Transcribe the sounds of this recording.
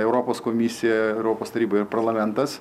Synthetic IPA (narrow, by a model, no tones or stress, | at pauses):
ɛʊɾoːpoːskoːmʲɪsʲɪjɛɛʊɾoːpoːst̪ɐɾʲiːbɐɪɾpɐɾlˠɐmʲɛnt̪ɐs